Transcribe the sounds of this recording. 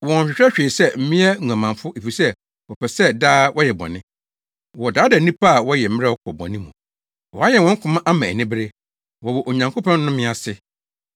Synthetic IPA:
wɔ̃˨n˨ɕᶣɪ˨˦ɛ˦ɕᶣeː˨sɛ˦˨m̩˦mɪ̃˦ɛ˦ŋ˨ã˨mã˨fʊ˦ʔe˨fi˨sɛ˦ | wɔ˨pʰɛ˨sɛ˦daː˦wʔɔ˦jɛ˨bɔ̰˨nɪ̃˦ | wɔ˨daː˨˦dɛ˨˦nĩ˦pʰa˦a˨wɔ˦jɛ˨m̩˦m˦ɛ˦ɔ˦kʰɔ˨bɔ̰˨nɪ̃˦mṵ̃˨ | wɔ˨a˦jɛ˨wɔ̃˨˦ŋ̩˦kʰʊ̃˦mã˦ʔa˦mã˨æ˨nɪ̃˦bɪ˦ɾe˦ | wɔ˨wɔ˨ʔo˨ɲã˨ŋkʰʊ˦pʰã˦nː˦ʊ̃˦mɪ̃˦a˨sɪ˦

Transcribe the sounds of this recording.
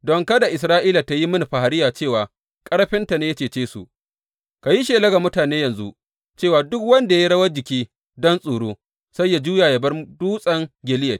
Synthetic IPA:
dɔ˨ŋkɐ˦da˨ʔɪ˨sɾaː˦ʔiː˦la˨ta˦ji˦mʊ˦n˨ɸa˨ha˨ɾɪ˦jaː˨t͡ʃeː˦˨waː˨ | kʼɐ˦ɽɸɪ˦nta˨neː˦jɐ˦t͡ʃeː˨t͡ʃeː˦sṵ˨ʔ | ka˨ji˦ʃeː˨lɐ˦ɡa˨mʊ˦taː˨neː˦jɐ˨nzu˦ʔ | t͡ʃeː˦˨waː˨dʊ˦kwɐ˦nda˨ji˦ɽɐ˦wɐ˦d͡ʒɪ˨kʲiː˦ | dɔ˦nsʼuː˨ɽoː˦ | sa˦jːa˨d͡ʒuː˦jaː˨ja˨bɐ˦rduː˦sʼɐ˦ŋɡʲɪ˨lɪ˦jɐ˨

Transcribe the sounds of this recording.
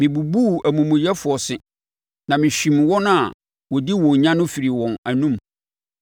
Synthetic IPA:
mɪ̃˨bu˨bu˦æ˨mũ˨mʊ̃˨jɛ˦fʊ˨ɔ˨sɪ˨ | nã˨mɪ̃˨ɕᶣĩ˨mwɔ̃˦nʊ̃˦a˨ | wɔ˨di˦wɔ̃˨ɲã˦nʊ̃˦fi˨ɾi˨wɔ̃˨næ˨nũ˦m

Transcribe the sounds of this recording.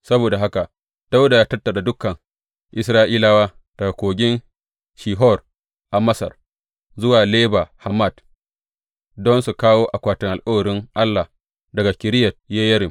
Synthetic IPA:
sɐ˦boː˨da˨ɦa˦ka˨ʔ | d̥a˦wda˨jaː˦tɐ˦tːɐ˨ɗa˨dʊ˦kːɐ˨ŋ | ʔɪ˨s̬ɾaː˦ʔiː˦la˦waː˦ | d̥ɐ˨ɡa˨kʷoː˨ɡʲɪ˦n | ʃiː˨ɦɔ˦˨r | ʔa˨mɐ˦sɐ̰˨r | zʊ˦waː˨leː˦ba˨ha˨mːa˦˨d | dɔ˦nsu˨kaː˦woː˦ʔa˨kʷaː˨tɪ˨ŋʔa˨lkʼɐ˦wɐ˨ɾɪ˦ŋʔa˦lːa˨ | dɐ˨ɡa˨kʲɪ˨ɾɪ˦jɐ˨t̚jeː˦jɐ˦ɾɪ˨

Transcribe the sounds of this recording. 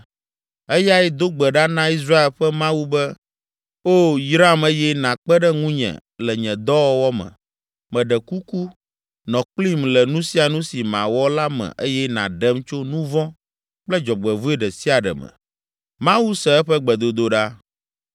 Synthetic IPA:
ɛ˦ja˦ɛ˦d̪o˦ɡ͡bɛ˨ɖa˦nã˦i˦s̬ɾa˦e˨lɸɛ˦mã˦wu˦bɛ˦ | o˦jɾa˦˨me˦jɛ˦nã˨k͡pɛ˦ɖɛ˦ŋũ˦ɲɛ̰̃˨lɛ˨ɲɛ̃˨d̪ɔ˦wɔ˦wɔ˦mɛ̰̃˨ | mɛ̃˨ɖɛ˨ku˦ku˦ | nɔ̃˨k͡pli˦mlɛ˨nũ˦si˦a˨nũ˦si˨mã̰˨wɔ˦la˦mɛ̰̃˨ʔe˦jɛ˦nã̰˨ɖɛ˦mt͡ʃo˦nũ˦vɔ̃˦ | k͡plɛ˦d͡ʒɔ˨ɡ͡bɛ˨vu˦e˦ɖɛ˨si˦a˨ɖɛ̰˨mɛ̰˨ | mã˦wu˦sɛ˨ɛ˦ɸɛ˦ɡ͡bɛ˨d̪o˨d̪o˦ɖa˦

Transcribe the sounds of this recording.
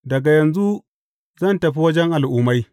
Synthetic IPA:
dɐ˨ɡa˨jɐ˨nzu˦ | zɐ˦˨ntɐ˨ɸi˦wɐ˦d͡ʒɛ˦ŋʔa˨lʔʊː˦ma˦j

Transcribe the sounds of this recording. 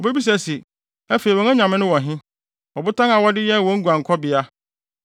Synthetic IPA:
ɔ˨be˦bi˦s̬æ˨si˨ | æ˦fe˨i˨wɔ̃˨nɛ̃˦ɲã˨mɪ̃˦nʊ̃˦wɔ̃˨ɦɪ̃˦ | wɔ˨bʊ˦tʰã˦ŋa˨wɔ˦dɪ˦jɛ˦˨wɔ̃˨˦ŋ̩˦ɡu˨ã˨ŋ˨kʰɔ˦bɪ˨a˦

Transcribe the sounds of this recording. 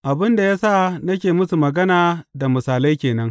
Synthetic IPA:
ʔa˨bɪ˦nda˨jaː˦sa˦˨nɐ˦kʲeː˨mʊ˦su˨mɐ˨ɡɐ˦naː˨da˨mʊ˨saː˨la˦jkʲeː˨nɐ˦ŋ

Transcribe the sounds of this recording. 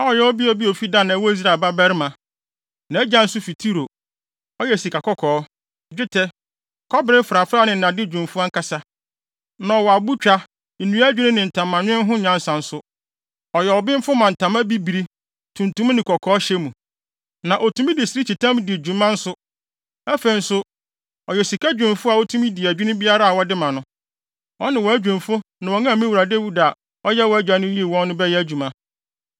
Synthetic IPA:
a˦ɔ˨jɛ˦ɔ˦bi˦ɔ˦bi˦o˨fi˦da˦˨nã˨wɔ˦i˦s̬ɾa˦˨ba˦bɛ˦ɾɪ˦mã˨ | nã˨˦d͡ʑã˦n̩˦sʊ˦fi˨tʰi˦ɾo˨ | ɔ˦jɛ˦˨si˨ka˨kɔ˦kʰɔː˨˦˨ | d͡ʑᶣɪ˦tʰɛ˦ | kʰɔ˦bɪ˦ɾɪ˦fɾa˨fɾa˦nɪ̃˨n̩˨ã˨dɪ˦d͡ʑᶣũ˨m˨fu˦a˦ŋ̩˦ka˦sa˦ | nã˨ɔ˨wɔ˨a˨bu˦t͡ɕᶣa˦ | n̩˨nũ˦æ˦d͡ʑᶣɪ˦ɾɪ̃˦nɪ̃˨n̩˨tʰã˨mːã˨n˦ɪ̃˦ɦʊ̃˦ɲã˦n̩˦sã˨n̩˦sʊ˦ | ɔ˨jɛ˨ɔ˨bɪ̃˦m̩˦fʊ˦mã˨n̩˨tʰã˨mã˦bi˦bi˨ɾi˦ | tʰũ˨ntũ˦m˦nɪ̃˨kʰɔ˨kʰɔː˦ɕɛ˦mũ˨ | nã˨ʔo˨tʰũ˦mĩ˦dɪ˨si˨ɾi˦t͡ɕʰi˨tʰã˦m˦di˨e˨d͡ʑᶣũ˨mã˦n̩˦sʊ˦ | æ˦fe˨i˨n̩˦sʊ˦ | ɔ˨jɛ˨si˨kʰa˦d͡ʑᶣũ˨n˨fʊ˦a˨wo˦tʰũ˦mĩ˦di˨æ˨d͡ʑᶣi˦nʊ̃˦bi˦a˦ɾa˦a˨wɔ˦dɪ˦mã˨nʊ̃˦ | ɔ˦nɪ̃˨wɔ˨˦æ˦d͡ʑᶣũ˨n˨fʊ˦nã˨wɔ˨ŋã˦˨mĩ˦wu˨ɾa˨de˦wu˦da˨ | ɔ˦jɛ˦wɔ˨˦æ˦d͡ʑᶣa˨nʊ̃˦ji˦e˨wɔ̃˦nːʊ̃˦bɛ˦jɛ˦æ˦d͡ʑᶣũ˨mã˦

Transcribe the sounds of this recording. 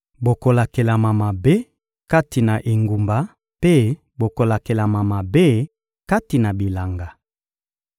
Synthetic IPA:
bo˨ko˨la˨ke˨la˨ma˨ma˨be˦ | ka˦ti˨na˨ʔe˨ŋɡu˨mba˨˦ | pe˦ | bo˨ko˨la˨ke˨la˨ma˨ma˨be˦ | ka˦ti˨na˨bi˨la˨ŋɡa˨

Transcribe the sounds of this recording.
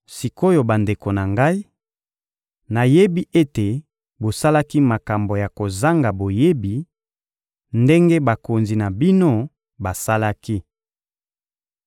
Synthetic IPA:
si˨ko˦jo˨ba˨nde˨ko˨na˨ŋɡa˦i˦ | na˨je˦bi˦ʔe˦te˨ | bo˨sa˦la˦ki˦ma˨ka˨mbo˨ja˨ko˨za˦ŋɡa˨bo˨je˦bi˨ | nde˦ŋɡe˦ba˨ko˨nzi˨na˨bi˦no˦ | ba˨sa˦la˦ki˦

